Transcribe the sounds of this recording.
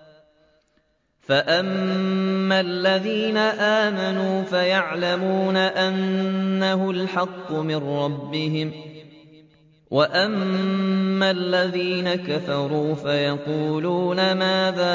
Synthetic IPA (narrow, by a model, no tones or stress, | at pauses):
faʔamː | alːaðiːnaʔaːmanuːfajaʕlamuːnaʔanːaɦʊlħɑqːʊmɪnɾˤɑbːɪɦɪm | wʔaʔamː | alːaðiːnakafɑɾˤuːfajɑquːluːnamaːðaː